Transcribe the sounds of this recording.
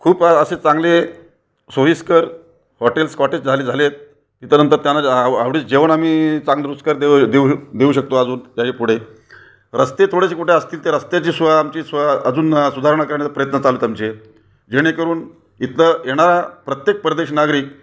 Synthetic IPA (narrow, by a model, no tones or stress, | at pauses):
kʰuːpəset͡saŋɡle | soʋiskəɾ | hɔʈelskɔʈet͡sd͡zʱaliːd͡zʱalet̪̚ː | it̪anənt̪əɾt̪janːaaʋɽiːt͡sd͡ʑeʋəɳamiːt͡sãŋɡd̪ɾuskaɾd̪ed̪eud̪euːɕək̚t̪oad͡zuːnd͡ʑjaɕepuɽ̤e | ɾəst̪et̪ʰoɽeɕekuʈʰeəst̪iːlt̪eɾəst̪jat͡ɕiːsʋaːmt͡ɕiːsʋaəd͡zuːnsud̪ʱaɾəɳ̃akəɾɳet͡səpɾəjət̪nət͡saluːt̪amt͡ɕe | d͡ʑeɽ̃ekəɾuːn | it̪ləjeɽ̃aɾapɾət̪jek̚pəɾd̪eɕnaɡɾiːk̚